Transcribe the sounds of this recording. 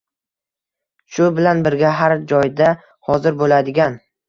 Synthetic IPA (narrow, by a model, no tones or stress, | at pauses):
ʃʊbɪlanbɪɾɡʲaɦaɾd͡ʒɒjd̪a | hɒzɪɾbolad̪ɪɡʲan